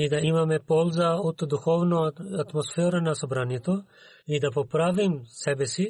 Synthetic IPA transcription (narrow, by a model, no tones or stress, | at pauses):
id̪aimamɛpolˠzaod̪d̪uxovnoat̪mosfɛɾanasobɾanjɛt̪o | id̪apopɾavimsɛbɛsi